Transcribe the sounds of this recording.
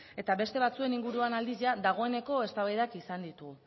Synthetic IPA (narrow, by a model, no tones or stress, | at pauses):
e̞t̪aβe̞st̪e̞β̞at͡sue̞niŋɡuɾuanald̪iʝad̪aɣ̞o̞e̞ne̞ko̞e̞st̪aβajðakisand̪it̪u